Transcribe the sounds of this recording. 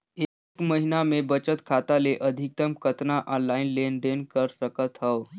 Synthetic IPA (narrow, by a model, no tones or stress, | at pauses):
e | kməɦinamebət͡ʃət̪kʰat̪aleʔəd̪ʱik̚t̪əmkʰət̪naʔɔ̃nlainlenɖ̪enkəɾsəkət̪ɦəʋ